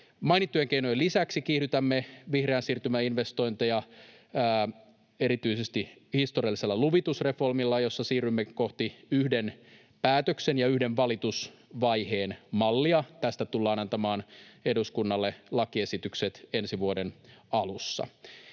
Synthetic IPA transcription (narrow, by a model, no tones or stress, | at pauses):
mɑjnit̪ːujeŋkeino̞jlisæksikiːhɾyt̪æmːeʋihreænsiːrt̪ymæinʋe̞st̪o̞jnt̪ejɑː | e̞ɾit̪yisest̪ihist̪oriɑliselːɑluʋit̪usre̞fo̞rmilːɑjo̞sːɑsiːrymːeko̞ht̪iyhden | pæːt̪øksenjɑyhde̞ɱʋɑlit̪usʋɑjhe̞ːnmɑlːiɑt̪æst̪æt̪ulːɑːnɑnt̪ɑmɑːne̞duskunːɑlːelɑkie̞sit̪ykset̪e̞nsiʋuodenɑlusːɑ̰